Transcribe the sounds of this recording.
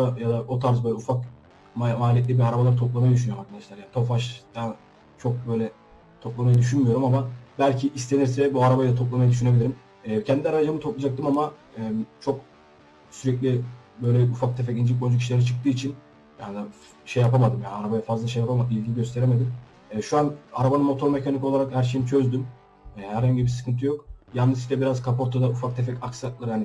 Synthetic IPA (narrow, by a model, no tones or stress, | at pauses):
ajad̪aʔo̞t̪ʰaɾzbøjlʲɛufak | mamaːlʲijɛt̪lʲibiaɾabalˠaɾt̪ʰop̚lˠamajad̪yʃ̬ynyjoumhakʰad̪aʃlʲæɾjaːnit̪ʰofaʃd̪an | t͡ʃʰo̞k̚bø̞jlʲɛ | t̪ʰo̞plˠamajad̪yʃ̬ynmyjo̞ɾumamabælʲcʰiʔist̪ʰe̞niɾsɛbuaɾabajld̪at̪ʰop̚lˠamajad̪yʃyne̞bilʲiɾim | ɛːcʰɛnd̪ilaɾaad͡ʒamɯt̪ʰo̞plˠad͡ʒak̚t̪ɯmama | ɛːmt͡ʃʰo̞k | syɾɛclʲibø̞jlʲɛufak̚t̪ʰefɛcind͡ʒilʲkbond͡ʒuc̬ʰiʃilʲeɾat͡ʃʰɯ̥k̚t̪ɯːit͡ʃʰin | jaːnd̪a | ʃejːapamad̪ɯmja̰ːnaɾabajafazlˠaʃejapʰamailʲɟʲiɟøst̪ʰe̞ɾemed̪im | ɛʃuanaɾabanɯnmo̞t̪ʰo̞ɾme̞cʰaniko̞lˠaɾakhæɾʃ̬ejinit͡ʃʰø̞zd̪ym | hæɾhaɲɟibisɯ̥kʰɯnt̪ʰɯjok̚janːɯziʃt̪ɛbiɾazkʰapoɾt̪ʰːad̪aufak̚t̪ʰefɛcaksaklˠɯɾjaːni